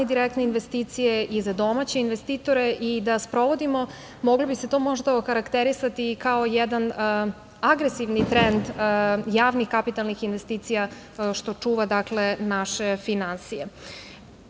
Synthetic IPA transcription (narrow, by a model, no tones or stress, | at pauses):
id̪iɾekt̪neinʋe̞st̪iːt̪sijeizad̪o̞mat͡ɕeinʋe̞st̪iːt̪oɾe̞ʔid̪aspɾo̞ʋo̞d̪imo̞ | mo̞ɡlobise̞t̪o̞ːmo̞ʒd̪aoxaɾakt̪eɾisat̪ikao̞jɛd̪an | aɡɾesiʋnit̪ɾend̪jaːʋnixkapit̪alˠnixinʋe̞st̪iːt̪sija | ʃt̪o̞t͡ʂuːʋad̪akle̞naʃe̞finansije